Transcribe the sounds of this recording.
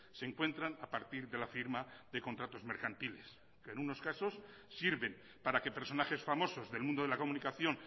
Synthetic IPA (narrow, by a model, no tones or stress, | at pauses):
seŋkwe̞nt̪ɾanapaɾt̪iɾðe̞lafiɾmaðe̞ko̞nt̪ɾat̪o̞zme̞ɾkant̪ile̞s | kenuno̞skaso̞sː | iɾβe̞m | paɾake̞pe̞ɾso̞naχe̞sfamo̞so̞zðe̞lmũnd̪o̞ðelako̞munikaθjo̞n